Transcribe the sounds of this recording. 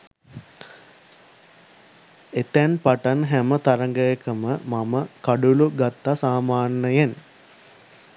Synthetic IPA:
et̪ænpaʈanɦæmət̪aɾəŋɡəjekəməmaməkaɖuluɡat̪ːasaːmaːnːəjen

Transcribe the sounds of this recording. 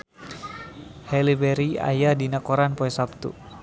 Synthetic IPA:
hɛlibɛɾia̰jadinakɔɾanpɔɛsap̚t̪ṵ

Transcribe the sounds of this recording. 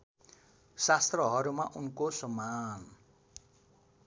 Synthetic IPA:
sast̪rʌɦʌɾumaʔunkosʌman

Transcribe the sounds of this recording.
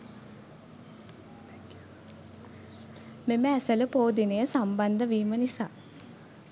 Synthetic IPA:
meməæsələpoːd̪inəjəsamband̪əʋiːmənisaː

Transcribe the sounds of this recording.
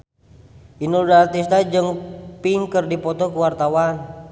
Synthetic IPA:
inudat̪ist̪ad͡ʒɨŋpiŋkərdipɔt̪ɔkuwart̪awan

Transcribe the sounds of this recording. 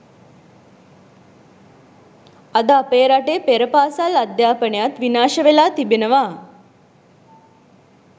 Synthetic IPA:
ad̪əapeːɾaʈeːpeɾəpaːsalad̪jaːpənejat̪ʋinaːʃəʋelaːt̪ibenəʋaː

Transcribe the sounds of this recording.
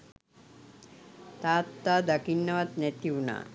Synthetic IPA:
t̪aːt̪ːad̪ɐkinːɐʋɐt̪net̪iuna̰

